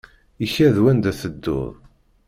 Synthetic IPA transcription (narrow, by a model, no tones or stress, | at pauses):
içæðwænd̪æθəd̪ːʊ̰ðˤ